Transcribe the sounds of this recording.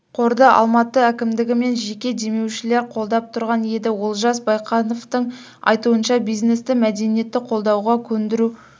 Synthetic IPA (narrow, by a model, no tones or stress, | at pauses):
qʰo̞ɾd̪əʔɑ̰lˠmɑt̪əækʲɪmd̪ɪɡʲɪme̞nʒe̞kʲe̞d̪e̞me̞wʃɪle̞ɾqʰo̞lˠd̪ɑp̚t̪ʰʊɾʁɑnje̞d̪ɪwolˠʒɑs̬bɑjqɑnoft̪əɴ | ɑ̰jt̪uənʃɑbijzne̞st̪ɪmæd̪e̞nije̞t̪ːɪqʰo̞lˠd̪ɑwʁɑkʲʰɵnd̪ɪɾu